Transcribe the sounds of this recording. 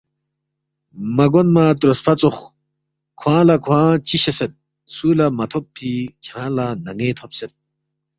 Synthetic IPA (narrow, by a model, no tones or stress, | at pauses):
mɐɡonmat̪uɾɐspʰɐt͡sox | kʰwãːlɐkʰwãːt͡ɕiɕɐset̪̚ | suːlɐmɐt̪ʰopʰːikʰjãːlanɐŋeːt̪ʰopset̪̚